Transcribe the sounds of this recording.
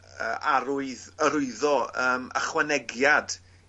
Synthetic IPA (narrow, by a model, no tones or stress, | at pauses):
əːʔaɾʊɨðəɾʊɨðɔəːmə̰χwɛnɛɡjad̥